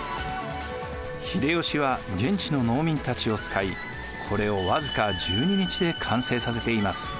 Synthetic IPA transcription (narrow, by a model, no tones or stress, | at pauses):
çid̪e̞jo̞ɕiβaɡẽ̞ɲ̟t͡ɕino̞no̞ːmʲĩnt̪at͡ɕio̞t͡sɨ̥kai | kʰo̞ɾe̞o̞βazɨkad͡ʑɨːɲ̟iɲ̟it͡ɕid̪e̞kʰãse̞ːsas̬e̞t̪e̞imasɨ̥